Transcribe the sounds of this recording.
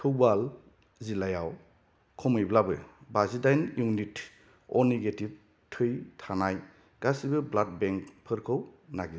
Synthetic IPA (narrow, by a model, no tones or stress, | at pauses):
tʰɯwbal | zilajaw | kʰɔmɯjblabɯ̰bazidajnjunit | ɔneɡetip̚ | tʰɯjtʰanaj | ɡ̥asibɯblat̚bɛŋkpʰɯɾkʰɯwnaɡi